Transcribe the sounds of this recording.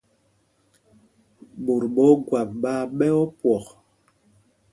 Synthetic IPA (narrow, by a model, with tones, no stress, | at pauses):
ɓo˨ɾɓɔ˨˦ɡwa˨p̚ɓa˦ɓɛ˦ɔ˦pwɔ˨k